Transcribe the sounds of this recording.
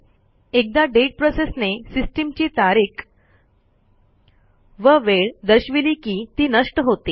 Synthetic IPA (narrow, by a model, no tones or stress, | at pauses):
ek̚d̪aɖeʈ̚pɾosesnesisʈimt͡ɕiːt̪aɾik | ʋəʋeɭd̪əɕʋiliːkiːt̪iːnəʂʈəɦot̪iː